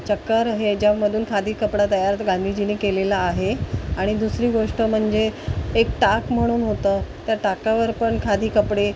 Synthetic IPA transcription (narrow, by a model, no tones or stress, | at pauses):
t͡ɕəkːəɾəɦed͡ʑjaməd̪ʱuːnkʰad̪ʱiːkəpɽat̪əjaɾat̪ɡãnd̪ʱiːd͡ʑiniːkelelaːɦeaɽ̃id̪usɾiːɡoʂʈəm̤əɳd͡zeːkʈakm̤əɽ̃uːnɦot̪əːt̪jaʈakaʋəɾpəɳkʰad̪ʱiːkəpɽe